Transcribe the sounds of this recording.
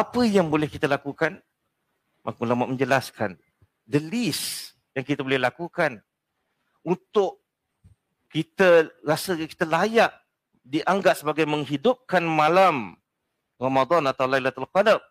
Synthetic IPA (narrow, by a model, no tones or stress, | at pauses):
apəjaŋbolɛhkit̪əlakukan | maŋkulamaʔ̚mə̃ɲd͡ʒəlaskan | dəlis | jaŋkit̪əbolɛhlakukan | unt̪ʊʔ | kit̪ərasəki̥t̪əlajaʔ | diʔaŋɡaʔt̪̚səbaɡajmə̃ŋɦidʊp̚kanmãlam | ramad̪ɔnat̪awlajlat̪alkadap̚